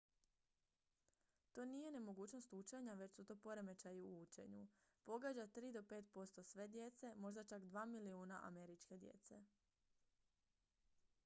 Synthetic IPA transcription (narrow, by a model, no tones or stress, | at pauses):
t̪oːnije̞ne̞mo̞ɡuːt͡ɕno̞st̪ut͡ʃeɲaʋe̞t͡ɕsut̪o̞ːpo̞ɾe̞me̞t͡ʃajiuuːt͡ʃe̞̰ɲṵpo̞ɡad͡ʑat̪ɾiːd̪o̞pe̞ːt̪po̞st̪o̞sʋe̞d̪je̞t̪se̞mo̞ʒd̪at͡ʃakd̪ʋaːmiliuːnaʔa̰me̞ɾit͡ʃke̞d̪je̞̰t̪se̞